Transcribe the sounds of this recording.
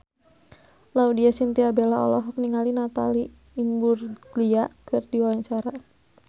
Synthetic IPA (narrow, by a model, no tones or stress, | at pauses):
laudiasint̪iabɛlaɔ̰lɔɦɔk̚niŋalinat̪a̰liː | mburliakɨrdiwawaɲt͡ʃaɾa